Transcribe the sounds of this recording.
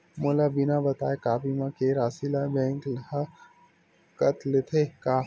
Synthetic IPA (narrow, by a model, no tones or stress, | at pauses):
moːlabɪnabɐt̪aːekaːpimãkeɾaːsilabɛ̃ːŋkl | kɐt̪lɪt̪ʰekaː